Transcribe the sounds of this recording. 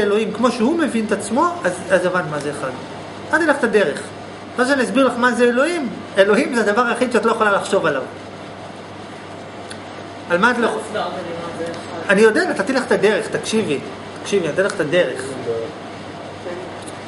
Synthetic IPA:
elo̞imkmo̞ʃehume̞vint̪at͡smo̞azazavant̪mazeːχad | tant̪ileχt̪ade̞ʁe̞χ | mazuʃanias̬biʁlaχmazeelo̞im | e̞lo̞himzead̪avaʁaχiʃeat̪lojeχolalaχʃo̞valav | almaːtlo | anijodetat̪at̪ileχt̪ade̞ʁeχt̪akʃivi | t̪ḁkʃiviatt̪ileχt̪ade̞ʁḛχ

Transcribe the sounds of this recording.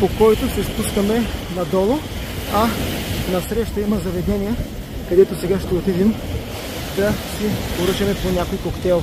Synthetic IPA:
pokɔjt̪osɛspuʃkɐmɛnɐd̪ɔlˠo | ɐnɐsɾɛʃt̪əimɐzɐvɛd̪ɛnijɛ | kɐd̪ɛt̪osɛɡaʃt̪ɛot̪id̪im | d̪ɐsipoɾɤt͡ʃɐmɛponʲakojkokt̪ɛlˠ

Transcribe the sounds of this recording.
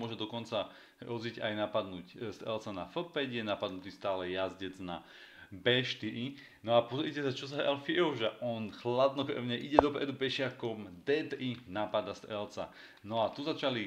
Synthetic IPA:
ɔʒɛd̪ɔkɔnt͡sa | ɾɔziɟa̰jnapad̪nucst̪ɛ̰lt͡sanafl̩pɛɟjɛnapad̪nut̪ist̪aːlɛjazɟɛd͡zna̰ | bɛʃt̪iʔi | nɔapɔzɾicɛsat͡ʃɔs̬aɛlfiɛʒɛʔɔnxlad̪nɔkɾɛ̰ʊɲɛʔiɟɛd̪ɔpɾɛd̪upɛʃɪakɔmd̪ɛt̪inapad̪ast̪ɛlt͡sa̰ | nɔat̪uzat͡ʃali

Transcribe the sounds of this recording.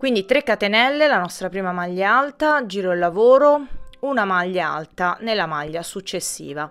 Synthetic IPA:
kwind̪it̪ɾekːat̪enɛlːelanɔst̪ɾapɾiːmamaʎːaalt̪ad͡ʒiːɾɔilːavoːɾounamaʎːaa̰lt̪anelːamaʎːasut͡ʃːesːḭːva

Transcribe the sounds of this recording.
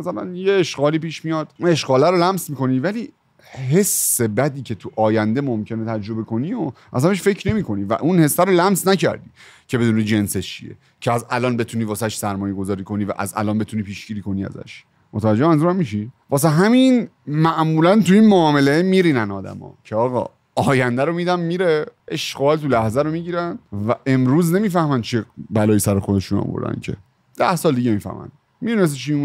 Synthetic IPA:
æsælæ̰njeːʃɡɒːliːpiːʃmijɒːd̪̥une̞ʃɡɒːlæɾolæmsmiːko̞niːvæliː | ɦe̞sːe̞bæd̪iːcʰe̞t̪ʰuʔɒːjænd̪e̞momcʰe̞net̪ʰæd͡ʒɾo̞be̞ko̞nioʔæ̰sæmbeʃfe̞cʰne̞miːkʰo̞niːvæ̰ʔunhe̞sːæɾolæmsnæcʰæ̰ɾd̪ḭːcʰe̞be̞d̪uːnid͡ʒe̞nset͡ʃʰḭjḛ | cʰeæzælɒːnbe̞t̪ʰuniːvɒːsæʃsæɾmɒːjeɡo̞zɒːɾiːkʰo̞niːvæ̰ʔæ̰zæ̰lɒːnbe̞t̪ʰuːniːpʰiːʃɡiːɾiːkʰo̞niːæ̰zæ̰ʃ | mot̪ʰævæd͡ʒːemænzuːɾæmmiʃivɒːs̬eɦæminmæʔmuːlænt̪uinmoɒːme̞leemiːɾiːnænɒːd̪æ̰mɒ̰ːcʰeɒːɣɒ̰ | ɒːjænd̪æɾo̞miːd̪ænmiɾeeʃɡɒːlt̪ʰulæhzæɾo̞miɟiːɾænvæʔe̞mɾuːzne̞miːfæhmænt͡ʃʰibælɒːjisæɾoxod̪eʃunɒ̰ːvo̰ɾd̪æ̰ncʰe̞̰ | d̪̥æhsɒːld̪iːɟemiːfæ̰hmæ̰n | mid̪unes̬et͡ʃʰiu

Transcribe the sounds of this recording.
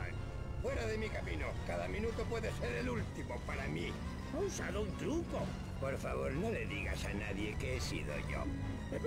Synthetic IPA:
fweɾaðemikamḭ̃nokaðamĩnut̪opwe̞ðeseɾelult̪imopaɾami | unsaðount̪ɾuko | poɾfaβ̞oɾnole̞ðiɣasanaðje̞keesḭðo̰ʝo̰

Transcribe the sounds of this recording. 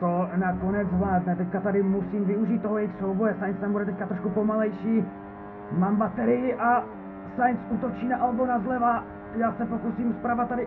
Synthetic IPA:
t̪onako̞nɛd͡zvlaːdnɛt̪ɛckat̪adɪmusiːmvɪuʒiːt̪̚ːoɦljɛjxsowbojɛsajnst̪ambudɛt̪ɛc̚kat̪ɾoʃkupomalɛjʃiː | mambat̪ɛɾɪjɪʔa | sajnsuːt̪o̞t͡ʃiːnaʔalbonazlɛva | jaːsɛpo̞kusiːmspɾavat̪̚t̪ːadɪ

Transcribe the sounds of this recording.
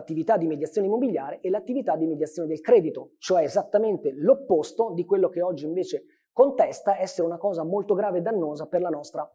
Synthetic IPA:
at̪ːivit̪ad̪ːimed̪jat̪sjoːnimːobilʎːjaːɾeʔɛlat̪ːivit̪ad̪ːimed̪jat̪sjoned̪elkɾɛːd̪it̪ot͡ʃoɛezat̪ːament̪elopːost̪od̪ikwelːokeɔd͡ʒːiiɱveːt͡ʃe | kont̪ɛst̪aɛsːeɾeunakɔːzamolt̪oɡɾaːved̪ːanːoːzaperlanɔst̪ɾa

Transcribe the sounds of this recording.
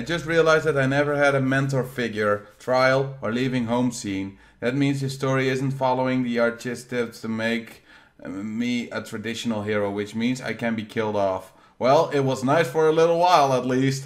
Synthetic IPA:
ɪd͡ʒʌst̚ɹiəlaɪzðɨɾaɪnɛvə˞ɨɾɨmɛ̃nt̬lfɪɡjə˞tʰɹ̥aɪl̩ˠə˞livɪ̃ŋɦõʊ̃msĩn | ðɨt̚mĩnzðɨstɔɹiɪzn̩tfɑlˠoʊɪ̃ŋðiɑɹtɪstɪkstʰɨmeɪk | miɨtʰɹ̥ɨdɪʃn̩l̩ˠɦiɹoʊwɨt͡ʃmĩnza̰ɪkɨ̃nbikʰɪlˠdɔf | wɛlˠɪt̚wʌznaɪsfə˞əlɪɾl̩ˠwaɪlˠətˡlist̚

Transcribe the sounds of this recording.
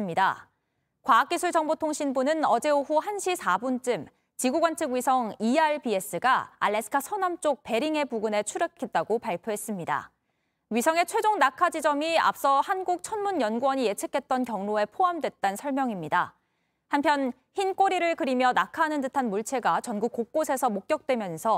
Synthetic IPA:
mɲida̰ | kwaːk̚k͈isʰuɭt͡ɕʌŋbotʰoŋɕʰinbunɯnʌd͡ʑe̞oɸuhanɕʰisʰabunt͡ɕ͈ɯm | t͡ɕiɡuɡwant͡ɕʰɯɡɥisʰʌŋiaɭpie̞s͈ɯɡaa̰ɭːe̞sʰɯ̥tʰasʰʌnamt͡ɕ͈ok̚pe̞ɾiŋe̞puɡɯne̞t͡ɕʰuɾekʰːit̚t͈aɡopaɭpʰjoɦe̞s͈ɯmɲida̰ | ɥisʰʌŋe̞t͡ɕʰwe̞d͡ʑoŋnakʰad͡ʑid͡ʑʌmia̰p̚s͈ʌhanɡuk̚t͡ɕʰʌnmunjʌnɡuwʌɲije̞t͡ɕʰɯkʰe̞t̚t͈ʌnkjʌŋnoe̞pʰoamdwe̞t̚t͈ansʰʌɭmjʌŋimɲida | hampʰjʌn | çink͈oɾiɾɯɭkɯɾimjʌnakʰanɯntɯtʰanmuɭt͡ɕʰe̞ɡat͡ɕʌnɡuk͈ːok̚k͈osʰe̞sʰʌmok̚k͈jʌk̚t͈we̞mjʌnsʰʌ

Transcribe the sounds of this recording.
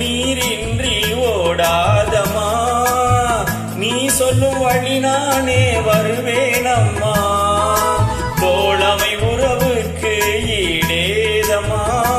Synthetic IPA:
iːɾɪndrioːɽaːðɐmaː | niːsɔlːɯmʋɐɭːinaːneːʋɐɾɯʋeːnɐmːaː | poːlɐmɐɪʊɾɐʋɯkːɯiɽeːðɐmaː

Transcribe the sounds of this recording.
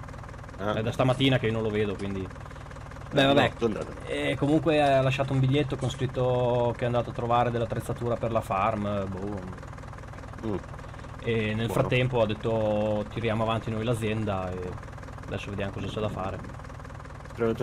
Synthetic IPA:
ɛd̪ast̪amat̪ːiːnakeionõloveːd̪okwind̪i | bɛvabɛ | komuŋkwealaʃːaːt̪̬oumbiʎːet̪̬ːokonskɾit̪ːok̟eɛand̪aːt̪oat̪ːɾovaːɾed̪elːat̪ːɾet̪sːat̪uːɾaperlafarmbu | enːelfɾat̪ːɛmpoad̪ːet̪ːot̪iɾjaːmoavant̪inojlad̪zjɛnd̪ae | ad̪ɛsːoved̪jamokɔzat͡ʃɛd̪afaːɾe | pɾmt̪

